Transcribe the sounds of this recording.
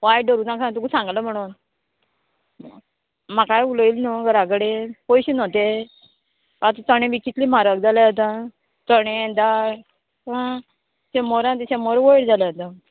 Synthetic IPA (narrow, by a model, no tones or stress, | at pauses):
ʋajɖəɾuːnakʰãt̪ukusãŋɡləm̤əɽ̃uːn | makajuləilnɔɡəɾaɡɽepojɕinɔt̪e | at̪ət̪əɽ̃ẽʋikit̪lim̤aɾək̚d͡zaləat̪ã | t̪əɽ̃ed̪aɾ | ã | sẽmɔɾãt̪̬isemɔɾʋəjɽd͡zaləat̪a